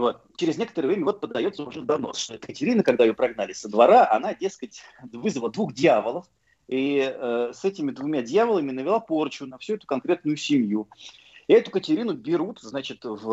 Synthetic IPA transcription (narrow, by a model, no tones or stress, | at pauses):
vo̞t̪̚t͡ɕɪɾʲɪznʲekət̪əɾəvɾʲemʲəvot̪̚pəd̪ɐjo̞t̪səʊʐɛd̪ɐvno̰sʂt̪oɛt̪əkətʲɪɾʲinəkɐɡ̚d̪aɪjo̞pɾɐɡnalʲɪsəd̪vɐɾaʔɐ̰nadʲe̞skətʲvɨzvəlˠəd̪vuxdʲɪavəlˠəf | iəsɛtʲɪmʲɪd̪vʊmʲadʲjavəlˠəmʲɪnəvʲɪlˠapo̞rt͡ɕʊnɐfsʲuɛt̪ʊkɐnkɾʲe̞t̪nʊjʊsʲɪmju | ɪɛt̪ʊkətʲɪɾʲinʊbʲɪɾut̪znat͡ɕɪt̪v